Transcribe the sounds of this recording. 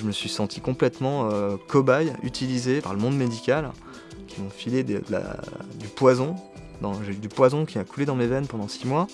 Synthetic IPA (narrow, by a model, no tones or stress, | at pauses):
ʒəməsɥisɑ̃t̪ʰikɔ̃plɛt̪mɑ̃økɔbajy̰t̪ilizepa̰ʁləmɔ̃d̪med̪ikʲal | kʲimɔ̃filed̪ə̰d̪əla̰d̪ypwazɔ̃ | d̪ɑ̃ʒed̪ypwazɔ̃kʲiakuled̪ɑ̃mevɛnpɑ̃d̪ɑ̃simwa